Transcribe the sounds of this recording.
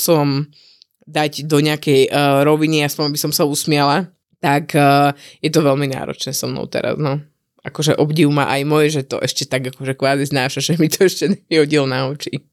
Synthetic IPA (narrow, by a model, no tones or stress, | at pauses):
sɔm | d̪aɟd̪ɔɲɪakɛjɾɔʋiniaspɔɲbisɔmsausmɪɛla | t̪akːjɛt̪ɔʋɛlmina̰ːɾɔ̰t͡ʃnɛːsɔmnɔ̰ʊt̪ɛ̰ɾa̰znɔ | akɔʒɛʔɔbɟiʊma̰ʔajmɔjɛʒɛt̪ɔ̰ʔɛʃcɛt̪aɡakɔʒɛkʋaːziznaːʃaʒɛmit̪ɔɛʃcɛɲɛpiɦɔɟilnaɔt͡ʃi